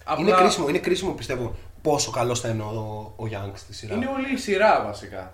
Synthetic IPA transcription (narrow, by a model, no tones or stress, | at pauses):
ɐinekɾisimoinekɾisimopist̪e̞vo | po̞so̞kɐlo̞sθɐineooːʝɐŋkst̪isiɾɐineolisiɾɐvɐsikɐ̰